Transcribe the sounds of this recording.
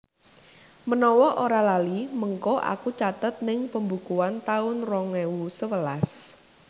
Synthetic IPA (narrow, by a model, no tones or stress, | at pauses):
mənɔwɔʔoɾalaliməŋkɔʔa̰kut͡ʃat̪ət̪̚nɪŋpəmbukuant̪aʊnrɔŋɛwusəwəlas